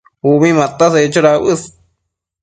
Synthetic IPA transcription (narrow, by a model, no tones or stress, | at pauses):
uβĩmãt̪aset͡ʃoɾaβɨs